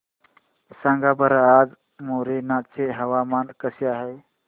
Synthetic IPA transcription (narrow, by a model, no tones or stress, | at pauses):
sãːŋɡabəɾaaːd͡ʒ | moːɾenat͡ʃeɦəwamaːnkəsjaɦəj